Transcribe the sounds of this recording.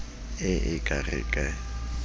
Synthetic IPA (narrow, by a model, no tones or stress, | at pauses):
ɪʔɪkʼarɪ̰kʼɛ